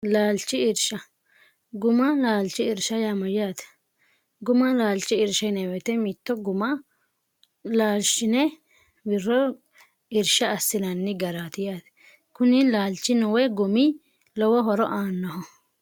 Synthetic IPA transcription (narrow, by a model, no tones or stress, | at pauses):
laːlt͡ʃɪɪɾʃɐ | ɡʊmɐlaːlt͡ʃːɪɪɾʃɐjaːmɔjaːt̪ | ɡʊmɐlaːlt͡ʃːɪɪɾʃɐjnɛwɛt̪ɛmɪt̪ːɔɡʊmɐ | laːlʃɪnɛ | bɪrːɔ | ɪɾʃɐːsːɪnɐnːɪɡɐɾat̪ɪjaːt̪ | kʊnɪlaːlt͡ʃːɪnɔwɛɡʊmɪ | lɔwɔɦɔɾɔʔaːnːɔhɔ